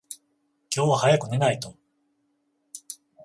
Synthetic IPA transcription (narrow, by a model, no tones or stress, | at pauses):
kʲo̞ːβahajakɯ̟ne̞nait̪o̞